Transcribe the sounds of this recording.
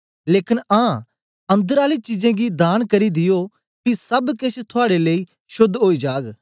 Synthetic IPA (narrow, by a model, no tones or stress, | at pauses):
leːkɪnãː | ɐ̃nd̪əɾaːlit͡ʃid͡ʒɛ̃ɡid̪aːnkɐɾid̪ɪjo | kisɐbket͡ʃʰt̪ʰʊaːɽelei | ʃʊd̪ʱːɦoːid͡ʒaːɡ